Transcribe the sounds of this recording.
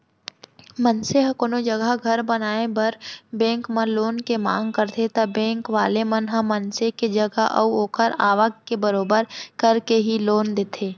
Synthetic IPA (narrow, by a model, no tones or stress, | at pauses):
mɐnseɦɐkonod͡ʒɐɡəɡʱɐɾbɐnaːebɐɾbɛ̃ːŋkmɐɾloːnkemã̰ːŋɡkəɾt̪ʰet̪ɐbɛ̃ːŋkʋaːlemɐnɦɐ̃mːɐnseked͡ʒəɡaʔə̰uoːkʰəɾaːʋəɡkebəɾoːbəɾkɐɾkeɦiloːnd̪eːt̪ʰeː